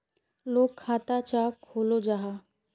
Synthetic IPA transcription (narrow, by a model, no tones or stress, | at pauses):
loːkʰːat̪at͡ɕakʰolod͡ʑaɦa